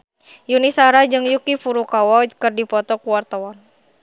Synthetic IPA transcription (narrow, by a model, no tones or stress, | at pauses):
junisaɾad͡ʒɨŋjukifuɾukawɔkɨrdipɔt̪ɔkuwart̪awɔn